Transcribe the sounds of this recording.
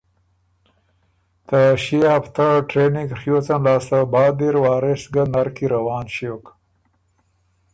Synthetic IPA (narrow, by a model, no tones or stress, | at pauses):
t̪aʃiaft̪aʈɾeniɡxjot͡sanlɑːst̪abɑːd̪iɾwɑːɾesɡanaɾkiɾawɑːnʃok